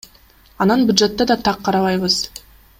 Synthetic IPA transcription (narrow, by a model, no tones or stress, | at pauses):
ɑnɑnbʲjʊd̪ʒe̞t̪ːɑd̪ɑt̪ʰɑqʰːɑɾɑβɑjβɯz̥